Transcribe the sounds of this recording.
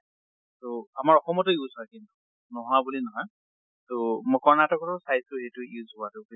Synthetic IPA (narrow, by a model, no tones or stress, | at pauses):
toamaɹɔxɔmɔtejuzakintu̥ | nɔɦɔabulinɔɦɔj | tomɔjkɔɹnatɔkɔtɔsajztʊejtʊjuzʊaduk